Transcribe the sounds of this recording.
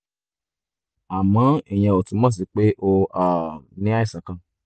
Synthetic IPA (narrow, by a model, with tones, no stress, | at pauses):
a˨mã˨˦e˦˨j̃ɛ̃˧o˨tũ˨˦mɔ̃˦˨s̬i˨˦k͡pe˦ʔo˧a˨nĩ˦a˦i˦˨sã˨˦kã˧